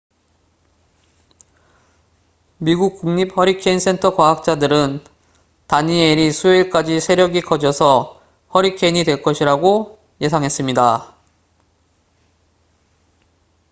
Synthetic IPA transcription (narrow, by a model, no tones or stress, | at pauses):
miɡuk̚k͈uŋɲip̚hʌɾikʰeins͈ʰe̞ntʰʌkwaɦak̚t͡ɕ͈adɯɾɯn | taɲieɾisʰuiɭk͈ad͡ʑisʰe̞ɾjʌɡikʌd͡ʑʌsʰʌ | hʌɾikʰeiɲidwe̞ɭk͈ʌɕʰiɾaɡo | je̞sʰaŋɦe̞s͈ɯmɲida